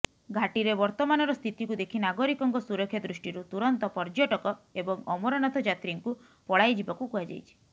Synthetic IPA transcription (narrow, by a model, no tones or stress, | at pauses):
ɡʱaʈiɾebɔɾt̪ɔmanɔɾɔst̪ʰit̪ikud̪ekʰinaɡɔɾikɔŋkɔsuɾɔkʰjɔd̪ɾusʈiɾut̪uɾɔnt̪ɔpɔɾd͡ʒɔʈɔkɔebɔŋɔmɔɾɔnɔt̪ʰɔd͡ʒat̪ɾiŋku | pɔɽajd͡ʒibakukuad͡ʒa̰jt͡ʃʰi̥